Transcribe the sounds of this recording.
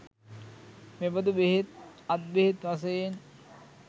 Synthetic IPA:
mebɐd̪ubeɦet̪̚at̪̚beɦet̪ʋas̬ɐjen

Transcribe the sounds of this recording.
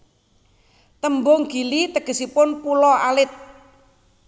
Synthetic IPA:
t̪əmbʊŋɡ̥i̤lit̪əɡ̥ə̤sipʊnpulɔalɪt̪̚

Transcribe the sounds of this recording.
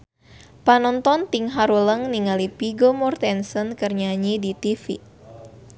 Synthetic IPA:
panɔnt̪ɔnt̪iŋɦaɾuləŋniŋalipiɡomɔrt̪ɛnsənkərɲaɲidit̪ifi

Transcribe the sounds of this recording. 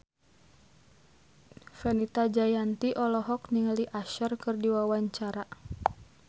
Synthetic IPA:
fɛnit̪ad͡ʒajant̪iʔɔlɔɦɔk̚niŋaliʔaʃərkɨrdiwawaɲt͡ʃaɾa

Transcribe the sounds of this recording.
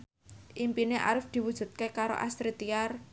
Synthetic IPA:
ʔimpineʔa̰ɾɪfd̪̥i̤wud̥ʒ̥ṳt̪̚kekaɾo̰ʔa̰st̪ɾit̪iar

